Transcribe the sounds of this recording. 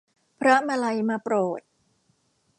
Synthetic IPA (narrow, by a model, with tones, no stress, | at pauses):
pʰɾa˦˥ma˧la˧jmaː˧pɾoː˨˩t̪̚